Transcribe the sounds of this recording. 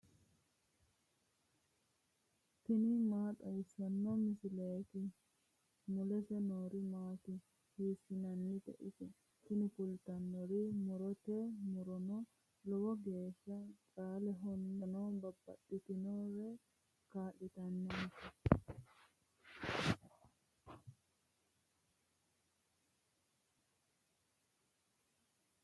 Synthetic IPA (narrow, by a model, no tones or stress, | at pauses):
t̪ɪnɪmaːt̪ʼɐjsːɐnːɔmɪsɪleːk̪ɪ | mʊlɛsɛnoːɾɪmaːt̪ɪ | hiːsːɪnɐnːɪt̪ɛ̰ʔɪ̰sɛ | t̪ɪnɪpʊlt̪ɐnːɔɾimʊɾɔt̪ɛmʊɾɔnɔ | lɔwɔɡeːʃːɐt͡ʃʼaːlɛɦɔnːɛnɔnbɐbːɐ̰ɗːɪt̪ɪnɔɾɛ | kaːɗɪt̪ɐnːɛ